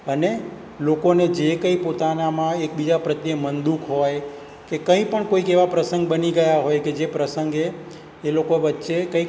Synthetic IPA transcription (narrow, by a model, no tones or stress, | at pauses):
əne | lokoned͡ʒekə̃ĩpot̪anamãek̚bid͡ʒapɾət̪jəmənd̪ukɦoj | kekə̃ĩpəɳkoikeʋapɾəsə̃ŋɡ̚bəniɡəjaɦojked͡ʒepɾəsə̃ŋɡeː | lokoʋətːʃekə̃ik